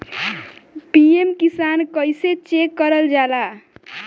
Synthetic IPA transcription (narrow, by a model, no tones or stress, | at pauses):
piemkisankʌjset͡ʃekːʌɾəld͡ʒala